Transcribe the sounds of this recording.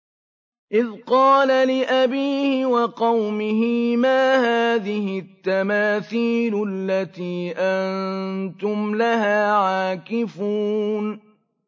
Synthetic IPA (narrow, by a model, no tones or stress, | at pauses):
ʔɪðqɑːlalɪʔabiːhɪwɑqɑwmɪɦɪmaːhaːðɪhɪt̪ːamaːθiːlʊalːat̪iːʔant̪ʊmlaɦaːʕaːkɪfuːn